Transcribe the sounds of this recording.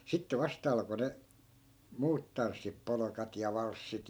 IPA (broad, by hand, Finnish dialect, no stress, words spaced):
sitːe ʋɑstɑ ɑlko ne muːt tɑnsːip polokɑt jɑ ʋɑlsːit